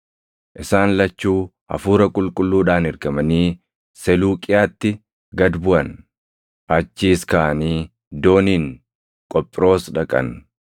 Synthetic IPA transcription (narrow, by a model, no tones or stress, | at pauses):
ʔɪsaːnlɐt͡ʃːuː | ɐ̰fuːɾɐkʼʊlkʼʊlːuːᶑaːnɛɾɡɐmɐniː | sɛluːkʼɪjaːt̪ːɪ | ɡɐd̪bʊʔɐn | ʔɐt͡ʃːiːskaːɐniː | d̪o̞ːniːŋ | kʼɔpʼːɪɾo̞ːsᶑɐkʼɐ̰n